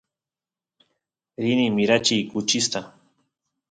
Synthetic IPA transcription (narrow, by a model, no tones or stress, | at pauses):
ɾɪnimɪɾat͡ʃijkʊt͡ʃɪst̪a